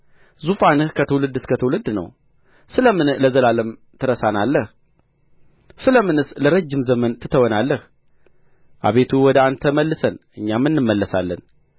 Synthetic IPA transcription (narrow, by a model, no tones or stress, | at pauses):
zufanɨhkʰət̪ʰəwlɨd̪ːɨskʰət̪ʰəwlɨd̪ːnə̰w | sɨləmɨnləzəlaləm | t̪ʰɨɾəsanalːəh | sɨləmɨnɨsləɾəd͡ʒːɪmzəmənt̪ʰɨt̪ʰːəwɔnalːəh | ʔa̰βe̞t̪ʰuwɔd̪əant̪ʰəməlːɨsənʔɨɲːamːɨnːɨmːəlːəsalːən